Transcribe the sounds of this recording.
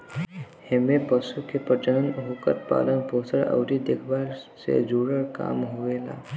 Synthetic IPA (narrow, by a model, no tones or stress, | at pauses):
hemepəsukepət͡ʃəɽənɦokəɾ̚pa̰ːlənposəɭə̰wɾid̪ekʰbaɾsḛd͡ʒuɽəɾka̰ːmɦoʋela̰